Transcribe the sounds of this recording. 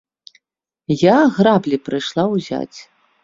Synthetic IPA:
jaɣrablʲipɾɨjʂlˠawzʲa̰t͡sʲ

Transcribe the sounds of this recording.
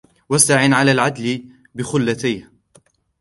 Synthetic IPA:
wast̪aʕɪnʕalaːlʕad̪l | bɪxʊlːat̪ajh

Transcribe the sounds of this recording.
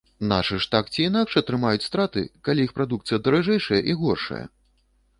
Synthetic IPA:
na̰ʂɨʂt̪akt͡sʲiːnakʂɐt̪ɾɨmajut͡sʲst̪ɾat̪ɨ̰kalʲijixpɾad̪ukt̪sɨjɐd̪ɐɾaʐɛjʂɐjɐʔiɣɔrʂɐ̰jɐ̰

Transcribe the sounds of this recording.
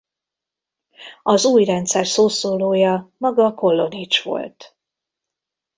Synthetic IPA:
ɒzuːjrɛnt̪sɛrsoːsoːloːjɒmɒɡɒko̞lːo̞nit͡ʃʋo̞̰lt̪

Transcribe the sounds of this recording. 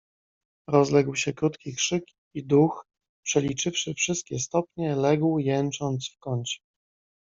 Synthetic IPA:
ɾɔzlɛɡwɕɛkɾut̪kʲikʂɘk | id̪ux | pʂɛlʲit͡ʂɘfʂɘfʂɘst̪̚kʲɛst̪ɔpɲɛlɛɡwjɛnt͡ʂɔnt̪sfkɔɲt͡ɕɛ̥

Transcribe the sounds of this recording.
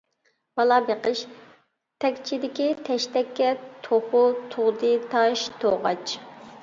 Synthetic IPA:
b̥ɑlˠɑbeqəʃ | t̪ʰɛkʲt͡ʃʰid̪ɪkʲit̪ʰɛʃt̪ɛkʲːɛt̪ʰoχʊt̪ʰʊʁd̪ɨt̪ʰɑʃt̪ʰoʁɑ̰t͡ʃʰ

